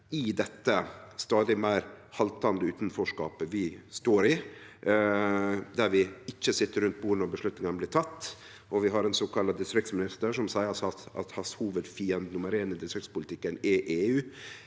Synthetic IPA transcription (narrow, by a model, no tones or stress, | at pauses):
ɪd̪ɛt̪ːəst̪ɑːd̪ɪmæɪɾhɑlt̪ʰɑnd̪əʉːt̪n̩fɔʂkɑːpəʋɪst̪oːɾɪ | d̪æɾʋɪɪçːəsɪt̪ːəɾʉnt̪̚buːɾnɔbəʂɭʉt̪nɪŋɑnəblɪʈ̪ʰɑt̪ː | ʔɔʋɪɦɑɾɛnsɔkʰɑlɑd̪ɪst̪ɾɪkt̪smɪnɪst̪əɾʂɔmsæɪsɑt̪ɑ̰t̪hɑshuːʋəd̪fiːənd̪nʊməɾeːnɪd̪ɪst̪ɾɪktspʊlɪt̪ʰɪkːənɛʔeːʉː